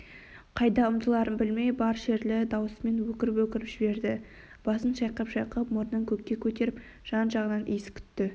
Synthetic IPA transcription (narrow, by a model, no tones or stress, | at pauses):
qʰɑjd̪ɑʊmt̪əlˠɑɾənbɪlme̞jbɑɾʃe̞ɾlɪd̪ɑwəsme̞nwɵkʲɪɾɪpwɵkʲɪɾɪpʒ̥ɪbe̞ɾd̪ɪ | b̥ɑsənʃɑjqəpʃɑjqəpmʊɾnəŋkʲʰɵkʲːe̞kʲʰɵt̪e̞ɾɪp | ʒ̥ɑnʒɑʁənɑnʔḭjsɪ̥kʲʰʏ̥t̪ːɪ